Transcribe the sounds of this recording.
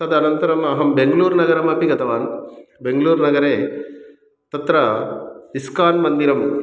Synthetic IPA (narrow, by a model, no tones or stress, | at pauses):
ɐd̪ɐnɐnt̪ɐɾɐmɐɦɐmbeŋɡɐluːɾnɐɡɐɾɐmɐpiɡɐt̪ɐʋaːnbeŋɡɐluːɾnɐɡɐɾeː | t̪ɐt̪ɾɐ | iskaːnmɐnd̪iɾɐm